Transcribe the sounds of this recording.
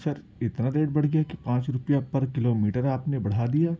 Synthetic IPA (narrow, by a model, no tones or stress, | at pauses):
səɾ | ɪt̪naɾeːɖ̚bɐɽ̤ɡɐjakipãːt͡ʃɾʊpijapɐɾkɪloːmiːʈəɾaːpnebɐɽ̤aːd̪ijaː